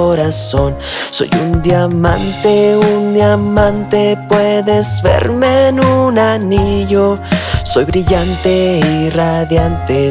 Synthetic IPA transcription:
oɾason | so̰jund̪jamant̪eund̪jamant̪epweðezbḛɾmenunaniʝosojβɾiʎant̪eiraðjant̪e

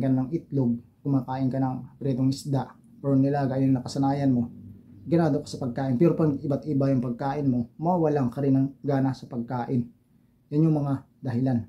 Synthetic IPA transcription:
kɐnnɐŋɪt̪loɡ̚kʊmaːkaːʔɪnkɐnɐŋpɾɛːd̪oŋʔɪsd̪aʔ | ɐɾonːɪlaɡaʔɪnŋnɐkɐsɐnaːjɐnmo̞ɡɐnaːd̪okɐ̥sɐpɐɡ̚kaːʔɪnpɛːɾopɐŋɪbat̪ʔɪbajʊŋpɐɡ̚kaːʔɪnmo̞mawɐlaŋkɐɾɪnɐŋɡaːnasɐpɐɡ̚kaːʔɪn | jɐnɲʊŋmɐŋa | d̪ɐɦɪlan

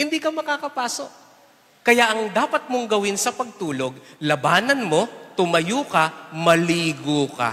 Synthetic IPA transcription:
hɪnd̪ikɐmɐkakɐpaːso̞ʔ̚ | kɐjaʔɐŋd̪aːpɐt̪̚moŋɡɐwɪnsɐpɐɡ̚t̪uːlo̞ɡ̚lɐbaːnɐnmo̞t̪ʊmɐjuːkɐmɐliːɡoka̰

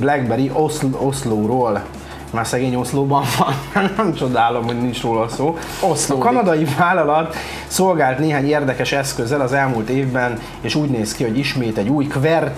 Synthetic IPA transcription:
blɛɡbɛɾiʔoslo̞sloːɾoːl | maːrsɛɡeːɲo̞sloːbɒɱvɒnanɛmt͡ʃo̞d̪aːlo̞mho̞ɟnint͡ʃroːlɒlsoː | ɒkɒnɒd̪ɒjivaːlɒlɒt̪ː | so̞lɡaːlt̪neːɦaːɲeːrd̪ɛkɛʃɛskøzːɛlɒzɛlmuːlt̪eːvbɛn | eːʃuːɟneːskiho̞ɟiʃmeːt̪ɛɟuːjkvɛrt̪

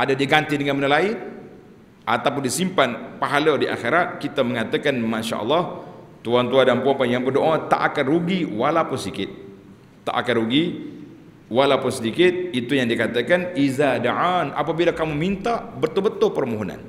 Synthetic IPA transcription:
ʔadadiɡant̪idəŋanmənəlai | ʔat̪awpʊndisimpanpaɦaladiʔa̰xeɾat̪̚kit̪aməŋat̪akanmaʃa̰ʔə̰lːɑht̪uant̪uadanpuapanjaŋpədoʔat̪a̰ʔakaruɡiwalapʊnsədikɪt̪̚ː | a̰ʔa̰karɾuɡi | walapʊnsədikɪt̪̚it̪ujaŋdikat̪akanizadaʕana̰pabilakamumint̪abət̪ʊbət̪ʊpərmoɦona̰n

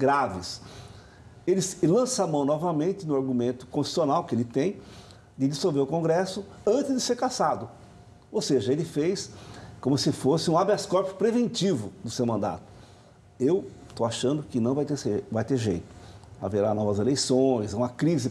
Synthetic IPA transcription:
ɡɾavɪs | elɪslɐ̃samɐ̃w̃nɔvɐmẽnt̪ɪnʊaɾɡumẽnt̪ʊ̥kõsʃi̥sionawkɪelɪt̪ẽj̃ | d̪ɪd̪ɪsowveɾʊkõɡɾɛsʊ | ɐ̃nt̪ɪzd̪ɪseɾkasad̪ʊ | owseʒɐelɪfejskõmʊsɪfosɪũabaskɔɾpjʊpɾevẽnt͡ʃivʊd̪ʊsewmɐ̃nd̪a̰t̪ʊ̥ | ewst̪owaʃɐ̃nd̪ʊkɪnɐ̃w̃vajt̪eɾsevajt̪eɾʒejt̪ʊ̥a̰veɾanɔvɐzelejsõj̃zaũmɐkɾizɪ

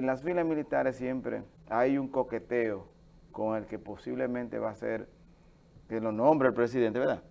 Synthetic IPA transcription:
enlazfilasmilit̪aɾesːjempɾḛ | ajuŋkoket̪eo | koŋe̞lkeposiβlemẽnt̪eβasḛɾ | elonõmbɾeelpɾes̬iðent̪eβeɾða̰

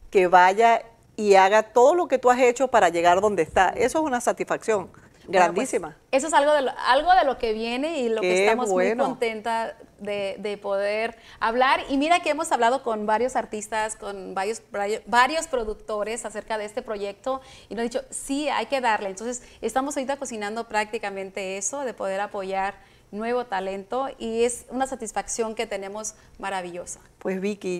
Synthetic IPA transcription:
ke̞βaʝa | iaɣat̪o̞ðo̞lo̞ke̞t̪uase̞t͡ʃo̞paɾaʝe̞ɣaɾðo̞nd̪eːst̪aʔe̞soesunasat̪isfaksjo̞ŋ | ɡɾand̪isima | es̬oesalɣoðeloalɣo̞ðe̞lo̞ke̞βje̞ne̞iloket̪amomujnont̪e̞nt̪aðeðe̞po̞ðeɾ | aβlaɾimiɾake̞emo̞saβlað̞o̞ko̞nbaɾjo̞saɾt̪ist̪asko̞nbaɾjosajobaɾjo̞spɾoðukt̪o̞ɾe̞sase̞ɾkaðe̞est̪e̞pɾo̞ʝe̞k̚t̪o̞ | inosðit͡ʃo̞sia̰jke̞ðaɾlent̪onsesest̪amo̞soɾit̪ako̞sinãnd̪o̞pɾak̚t̪ikamẽ̞nt̪e̞eso̞ðe̞po̞ð̞e̞ɾapo̞ʝaɾ | nwe̞βo̞t̪ale̞nt̪o̞ie̞sunasat̪isfaksjo̞ŋke̞t̪e̞ne̞mo̞z | maɾaβiʝo̞sḁ | pwezβiki

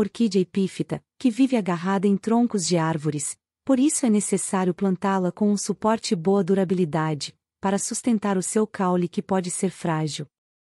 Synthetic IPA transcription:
oɾkid͡ʒepifit̪ɐkɪvivɪaɡaɦad̪ɐẽj̃t̪ɾõŋkʊzd͡ʒɪaɾvoɾɪs | poɾisʊɛnesesaɾjʊplɐ̃nt̪alɐkõũsupɔɾt͡ʃɪbowɐd̪uɾabilid̪ad͡ʒɪ | paɾɐsust̪ẽnt̪aɾʊsewkawlikɪpɔd͡ʒɪseɾfɾaʒiw

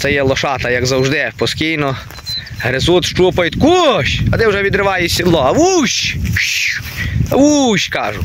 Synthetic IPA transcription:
t̪sɛjɛlˠɔʃɑt̪ɐjɐɡzɐwʒd̪ɪpɔskʲijnɔ | ɦɾezut̪ʃt͡ʃupɐjt̪kuʃʲɐd̪ɪwʒɛʋʲid̪ɾɪʋɑjɪsʲid̪lˠɔɐʋuʃʲ | ɐʋuɕʲkɑʒʊ

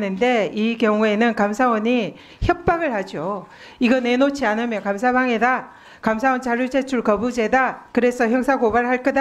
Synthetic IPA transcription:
nɯnde̞ikjʌŋue̞nɯnkamsʰawʌɲi | çjʌp̚p͈aɡɯɭhad͡ʑo | iɡʌne̞not͡ɕʰianɯmjʌnkamsʰabaŋe̞da | kams̬ʰawʌnt͡ɕaɾuɭt͡ɕe̞t͡ɕʰuɭkʌbud͡ʑe̞dakɯɾe̞sʰʌçjʌŋsʰaɡobaɾɯɭɦaɭk͈ʌda

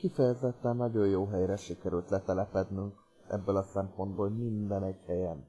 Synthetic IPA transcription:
kifɛjɛzɛt̪ːɛnːɒɟo̞jjoːɦɛjɾɛʃikɛɾylt̪lɛt̪ɛlɛpɛd̪nyŋk | ʔɛ̰bːølɒsɛmpo̞nd̪boːlmind̪ɛnɛɟhɛjɛn

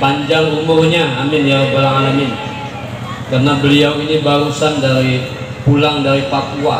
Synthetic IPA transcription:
paɲd͡ʒalumʊrɲaːmɪnjabalaŋamɪn | karnabəliawinibaɾusandaɾi | pulaŋdaɾipapua

